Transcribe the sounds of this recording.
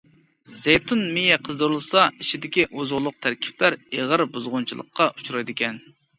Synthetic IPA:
zejt̪ʰunmejɛqʰəzd̪uɾɨlˠɨsɑiʃʰid̪ɪkʲiʔozʁʊlˠʊq̚t̪ʰæɾkʲʰi̥plæɾeʁəɾbuzʁʊnt͡ʃʰilˠəqʰːɑʔut͡ʃʰuɾɑjd̪ɪkʲʰɛn

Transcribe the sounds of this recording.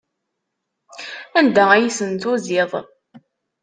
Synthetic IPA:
ænd̪ææjisənt̪ʊzɪðˤ

